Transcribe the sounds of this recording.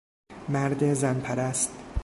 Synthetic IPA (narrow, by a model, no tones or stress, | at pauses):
mæɾd̪ezænpʰæɾæst̪